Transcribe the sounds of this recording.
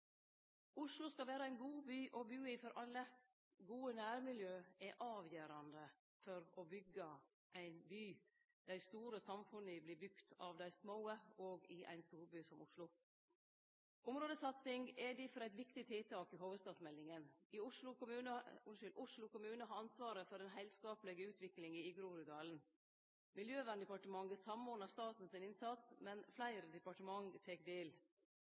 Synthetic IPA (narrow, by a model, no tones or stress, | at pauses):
ʊʂlʊskɑlʋæːɾəæɪnɡuːbyːʔɔbyːɪfɔɾʔɑlːə | ɡuːənæːɾmɪljøːɛʔɑːʋjøːɾɑnd̪ə | fɔɾɔbʏɡə | ʔæɪnbyː | d̪̥æɪst̪uːɾəsɑmfʉnəblɪːbʉkt̪ʰɑ̰ʋd̪æɪsmoːəoːɡɪʔæ̰ɪnst̪uːɾbyːsɔmʊʂlʊ | ʊmɾoːd̪əsɑt̪sɪŋɡɛɖɪfɔɾæɪt̪ʋɪkt̪ɪt̪ʰɪlt̪ʰɑːkɪɦoːʋəst̪ɑːd̪smɛlːɪŋəniːʊʂlʊkʊmʉːnəʊɪlʔʊʂlʊkʊmʉːnəɦɑːɑnsʋɑːɾəfɔɾɛnɦæɪlskɑːpləɡəʉːt̪ʰʋɪklɪŋiːɪɡɾuːɾʉd̪ɑːln̩ | mɪljøːʋæːnəd̪əpɑʈəmɑŋəsɑmoːnəst̪ɑːt̪n̩sɪnɪnsɑt̪smɛnflæɪɾəd̪ɛpɑʈəmɑŋt̪ʰeːkd̪eːl